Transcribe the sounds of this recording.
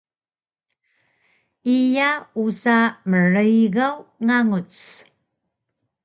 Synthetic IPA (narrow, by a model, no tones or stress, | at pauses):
ijausaməɻəjɣawŋaŋut͡s